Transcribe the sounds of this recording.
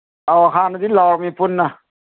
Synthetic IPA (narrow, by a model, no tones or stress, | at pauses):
ɔɦanad̪ilawɾmipʰunːa